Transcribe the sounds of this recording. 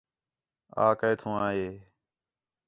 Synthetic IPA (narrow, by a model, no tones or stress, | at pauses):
a̰ːkəeːt̪ʰũːaːɦeː